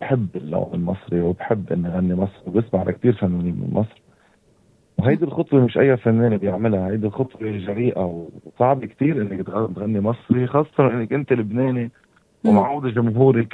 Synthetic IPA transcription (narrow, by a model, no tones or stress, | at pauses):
b̥ħɪbːɪlːo̰ːnɪlmɑsˤɾiwbħɪbːʔɪnːiɣanːimɑsˤɾiwbɪsmaʕlʔa̰k̚t̪iːɾfanːuːniːmɪ̰nmʔɑsˤɾ | wɦajd̪ilxʊt̪ˤwemɪʃʔa̰jːafanːeːnebjɪʕmɪlhahajd̪ilxʊt̪ˤweʒaɾiːʔawsˤɑʕbikt̪iːɾʔɪnːɪkt̪t̪ɣanːimɑsˤɾixɑːsˤːɑt̪ɑnʔɪnːɪkʔɪnt̪elɪbneːni | wwmaʕuːd̪aʒʊmɦuːɾi